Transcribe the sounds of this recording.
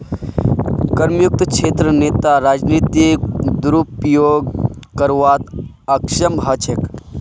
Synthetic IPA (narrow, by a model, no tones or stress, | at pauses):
kɐɾmjuk̚t̪kʃʰeːt̪ɾəneːt̪aɾaːd͡ʒniːt̪ikd̪ɾupjoːɡkɐɾʋaːt̪ | ɐkʃɐmɦɐt͡ʃʰek